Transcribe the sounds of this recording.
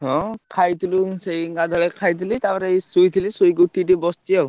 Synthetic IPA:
ɦɔ̃kʰajt̪ʰulusejŋɡad̪ʱɔɭɛkʰajt̪ʰilit̪aaɾesujt̪ʰilisojɡuʈːitibɔstiaw

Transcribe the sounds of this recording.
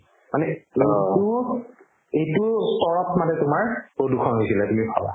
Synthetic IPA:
manɛetu | ejtʊstɔɹɔtmanɛtʊmaɹpɹodukʰɔnɦojsilatumibʱa̰wa̰

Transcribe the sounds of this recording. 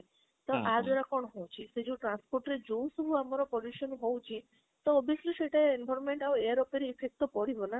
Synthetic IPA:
t̪ɔʔad͡ʒɔɾakɔɳ̃ɔɦowt͡ʃʰised͡ʒowʈɾanspɔɾʈɾed͡ʒowsɔbʱuamɔɾɔpɔluʃɔnɦowt͡ʃʰi | t̪ɔːbʱisluseʈaeinbʱɔɾnmeɳʈaweaɾɔpeɾiːpʰek̚t̪ɔpɔɽibɔna

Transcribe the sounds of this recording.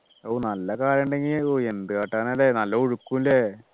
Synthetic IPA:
oːnɐlːɐkaːɾɐɳɖe̞ŋɡiloːe̞nd̪ɨkaːʈːaːnɐlːenɐlːɐoɻukːumle

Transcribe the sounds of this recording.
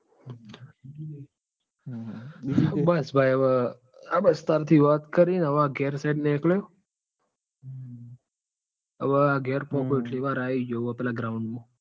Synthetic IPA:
bəsbʱaːjəʋə | abəst̪aɾt̪ʰiʋaːt̪kəɾinəʋaɡeːɾsaɪɖneekljoː | əʋəaɡeːɾpɔ̃ːkoɪʈleʋaːɾaːid͡ʒoapɛːlaɡɾaʊ̃ɳɖmõ

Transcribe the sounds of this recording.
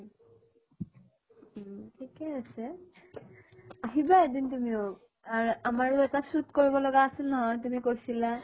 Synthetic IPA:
tʰikɛasɛ | aɦibaedintumiʊ | aɹamaɹʊɛtasutkoɹibɔlɔɡaːsɛlnɔɦɔjtumikojsila

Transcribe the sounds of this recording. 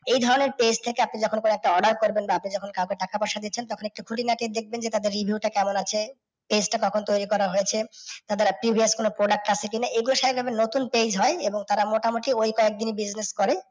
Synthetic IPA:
ejd̪ʱɔɾoneɾped͡ʑt̪ʰekeapnid͡ʑɔkʰonkonoɛk̚ʈaɔɖaɾkoɾbenbaapnid͡ʑɔkʰonkawkeʈakapaʃad̪it͡ɕʰent̪ɔkʰonek̚ʈukʰuʈinaʈid̪ek̚ʰbend͡ʑet̪ad̪eɾːibʱiuʈakɛmonat͡ɕʰe | ped͡ʑʈakɔkʰont̪ojɾikɔɾaɦojet͡ɕʰet̪ad̪eɾpɾibʱieskonopɾoɖak̚ʈat͡ɕʰekinaʔeɡuloʃabʱabenot̪unped͡ʑɦɔeeboŋt̪aɾamoʈamoʈiojkɔek̚d̪inibid͡ʑneskɔɾe

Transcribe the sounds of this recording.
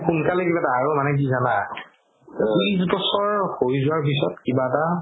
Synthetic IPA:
xunkalekibaɛtaːɹomanɛk̬izana | tisbɔsɔɹhoɹjzʊaɹpisɔt̚kibaɛta

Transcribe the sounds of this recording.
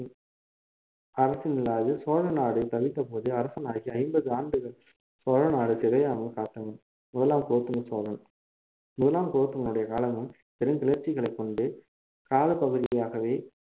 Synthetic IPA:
ɐɾɐsinɪlaːðɯsoːɻɐnaːɽɯt̪ɐʋɪt̪ːɐpoːðɯɐɾɐsɐnaːɣiɐɪmbɐðɯaːɳɖɯɣɐɭ | soːɻɐnaːɽɯsɪɾɐjaːmɐɭkaːt̪ːɐʋɐm | mʊðɐlaːmkoːɐt̪ːɯŋɡɐsoːɻɐn | mʊðɐlaːmkoɾt̪ːɯŋɡɐɭɯɽɐjɐkaːlɐŋɡɯm | t̪ɛɾɯŋkɪlɐɾt͡ʃːɪɣɐɭɐɪkːɔɳɖɯ | kaːlɐpɐɣɯðɪjaːɣɐʋeː

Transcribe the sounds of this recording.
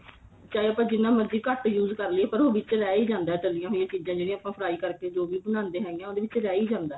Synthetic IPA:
t͡ʃaːeəːpãːd͡ʒɪnːãːməd͡ʒiːkəʈjuːzkəɾleːpəɾoːʋɪt͡ʃɾɛːiːd͡ʒãːnd̪aːɛːtəlːijãːɦoːijãːt͡ʃiːd͡ʒãːd͡ʒeːɽĩãːəpãːpʰɾaːiːkəɾkeːd͡ʒoːʋiːbənãːnd̪eːɦɛːɡeãːoːd̪eːʋɪt͡ʃɾɛːiːd͡ʒãːnd̪aː

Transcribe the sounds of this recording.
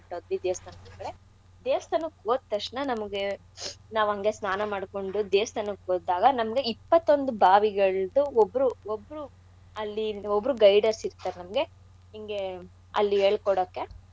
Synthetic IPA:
ʈːoːd̪ʋid̪eːʋɐst̪ʰɐnɐɐɡɐɭe | d̪eːʋst̪ʰɐnukoːd̪̚t̪ɐʂnɐnɐmɐɡe | naːʋɐŋɡesnaːnɐmaːɽko̞ɳɖud̪eːst̪ɐnukoːaːɡɐnɐmɐɡe̞ipːɐt̪ːo̞nd̪ubʱaːʋiɡɐɭd̪uobɾuobːɾu | ɐlːiobːɾuɡɐjɖɐɾsiɾt̪ːaːɾenɐmɡe̞ | ɦiŋɡe̞ | ɐ̰lːieːɭkɔɽoːkːe̞

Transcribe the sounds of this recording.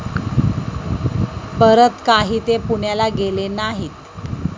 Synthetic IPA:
pəɾət̪kaɦiːt̪epuɳjalaɡelenaɦiːt̪

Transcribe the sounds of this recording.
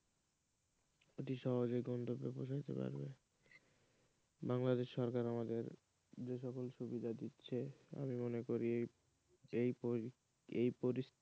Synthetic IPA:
eʈiʃɔɦod͡ʑojɡɔnt̪obːeboʃ̬ait̪ḛpa̰ɾbḛ | baŋlad̪eʃːɔɾkaɾamad̪eɾ | d͡ʑeʃɔkolʃubid̪ʱad̪itːɕʰea̰mimonekoɾie | ej | ejpoɾis

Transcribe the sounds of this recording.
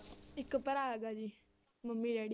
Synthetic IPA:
ɪkpəɾaːɦeɡaːd͡ʒiː | məmːiːɾeːɽ

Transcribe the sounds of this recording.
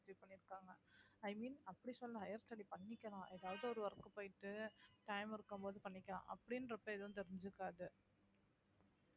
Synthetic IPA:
t͡ʃːʋpɐɳːɪɾɯkːaːŋɡɐɐɪmiːnɐpːɐɽisɔlːɐɦɐjɐɾt̪ɐɽipɐɳːɪkʲːɐlãːʔɛðaːʋɐðɯɔɾɯʋɐɾɐkːɯpoːjɪʈːɯtɐɪmɪɾɯkːɯmpoːðɯpɐɳːɪkʲːɐlã̰ːʔɐpːɐɽɪnːɾɛpːɐɪðɯnt̪ɛɾɯɲd͡ʒɯkːaːðɯ

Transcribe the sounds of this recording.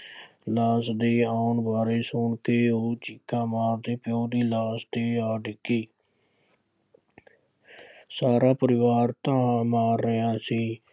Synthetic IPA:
laːsd̪eːaːʊnbaːɾeːsʊɳkeːoːt͡ʃɪkʰːãːmaːɾd̪eːpjoːd̪iːlaːsd̪eːaːɖɪkːiː | saːɾaːpəɾɪʋaːɾt̪ãːmaːɾːəɦãːsĩː

